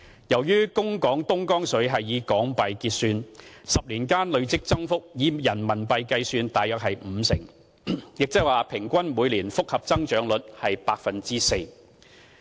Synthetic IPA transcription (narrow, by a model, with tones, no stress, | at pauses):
jɐ˨˩wjyː˥kʊ˥ŋkɔː˨˥ŋt̪ʊ˥ŋkɔː˥ŋsɵ˨˥ɥɦɐ˨jːiː˨˧kɔː˨˥ŋpɐ˨jkiː˧t̚syː˧nsɐ˨p̚liː˨˩nkaː˥nlɵ˨˧ɥt͡sɪ˥k̚t͡sɐ˥ŋfʊ˥k̚jiː˨˧jɐ˨˩nmɐ˨˩npɐ˨˧jkɐ˧jsyː˧nt̪aː˨jœː˨k̚ɦɐ˨jm̩ː˨˧sɪ˨˩ŋ | jɪ˨k̚t͡sɐ˥kwaː˨pʰɪ˨˩ŋkʷɐ˥nmuː˨˧jliː˨˩nfʊ˥k̚hɐ˨p̚t͡sɐ˥ŋt͡ʃœː˨˧ŋlɵ˨˥t̚hɐ˨jpaː˧k̚fɐ˨nt͡siː˥se˧j